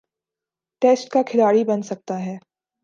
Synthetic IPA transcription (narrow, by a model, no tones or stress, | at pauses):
ʈeːsʈ̚kakʰɪlaːɽibɐnsɐk̚t̪aɦɛː